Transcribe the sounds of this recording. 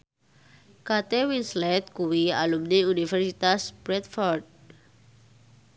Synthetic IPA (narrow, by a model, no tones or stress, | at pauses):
kat̪ewinslɛt̪̚kuwia̰lumniunifɛrsit̪asb̥ɾɛt̪̚fɔrd̚